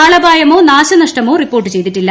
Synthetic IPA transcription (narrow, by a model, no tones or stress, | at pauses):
aːɭɐbʱaːjɐmo̞ːnaːɕɐnɐʂʈɐmo̞ːripːo̞ːrʈːɨt͡ɕe̞jt̪iʈːilːɐ